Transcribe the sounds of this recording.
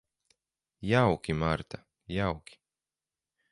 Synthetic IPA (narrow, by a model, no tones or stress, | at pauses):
jawkʲimaɾt̪a | jawkʲi̥